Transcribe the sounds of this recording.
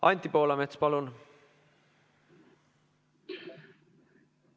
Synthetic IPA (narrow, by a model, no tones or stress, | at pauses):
ɑ̰nt̪ːipoːlɑmet̪spɑlun